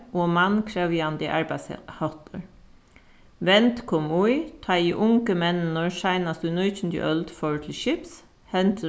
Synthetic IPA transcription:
oːmɑnkʰɾeʋjɑnd̪ɪʔɑɹbæshɑt̪əɹ | ʋɛnt̪kʰɔmuʏt̪ʰɑːiːʔʊŋkəmɛnnɔɹʃæɪnɑsd̪ʉːnœʏçn̩d̪ḭːʔœld̪fɔɹt̪ʰlɪʃɪps | hɛnt̪ʰ

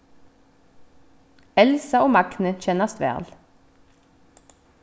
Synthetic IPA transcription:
ɛlsɑoːmɑɡnəc͡çɛnɑst̪ʋæ̰ːʁl

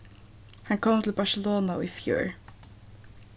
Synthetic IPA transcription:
hankʰoːmt̪ʰɪlbasɪloːnaʊfjʊ̰ːɹ

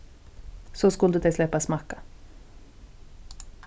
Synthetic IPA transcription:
sɔskʊld̪ʉd̪ɛɪslɛpːasmɑka

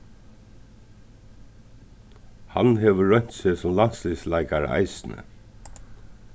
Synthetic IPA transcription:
ha̰nhɛːʋəɹœɲ̥t̪sɛsɔmlansliːslaɪkaɾə̰a̰ɪsnə̰

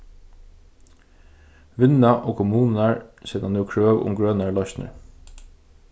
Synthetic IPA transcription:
ʋɪnaʔɔːkʰɔmuːnnaɹsɛːt̪anʉwkʰɹøːwʊ̰mɡɹœːnaɹlɔçt̪nə̰ɹ

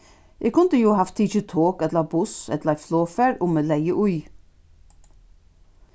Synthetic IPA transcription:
ʔekʰʊnt̪əjuːhɑft̪ʰɪçət̪ʰoːkɛt̪lɑbʊsɛ̰t̪lɑɾfloːfæːɾoːmeːlæɪəʔʊj

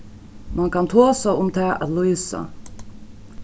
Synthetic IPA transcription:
mankʰant̪ʰoːsaʊmt̪ʰɛːa̰t̪lɔjsa̰

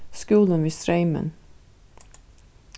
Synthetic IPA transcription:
skuːlənʋiːsɾeɪmə̰n

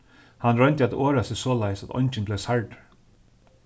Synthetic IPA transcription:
hanɾœnt̪ɪat̪oːɾasɪsɔːlajsat̪ɔ̰jnt͡ʃɪnblesaɹʈ

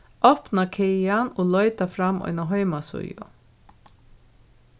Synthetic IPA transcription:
ʔɔpnakʰɛjanoːlœʏt̪afɾamːœ̰ʏnaɦœʏmasʊ̰jʊ̰

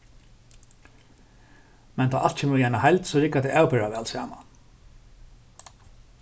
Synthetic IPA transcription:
mɛnt̪ʰaːʔalt̪t͡ʃʰɛmjɛːɳahajlt̪sɔɾɪkat̪ɛawpɪɹaʋɛːlsa̰ːma̰

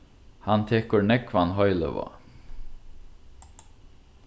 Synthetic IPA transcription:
hɑnt̪ʰeːkʊɹɳɛkʰʋɑnɦɔʏlə̰ʋɑ̰ː

